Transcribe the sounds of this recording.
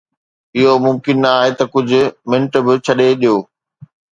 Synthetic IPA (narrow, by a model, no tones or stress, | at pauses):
ɪɦomʊmkɪnːɐaːɦet̪ɐkʊd͡ʑʱʊ̆mɪ̃ɳʈbɪt͡ɕʰɐɗeɗijoː